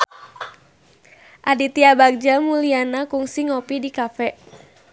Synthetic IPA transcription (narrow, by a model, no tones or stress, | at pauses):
ʔadit̪iabaɡ̚d͡ʒamulianakuŋsiŋopidikafɛʔ